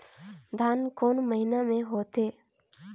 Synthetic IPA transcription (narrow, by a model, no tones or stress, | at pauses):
d̪ʱaːnkoːnməɦɪnamẽɦoːt̪eː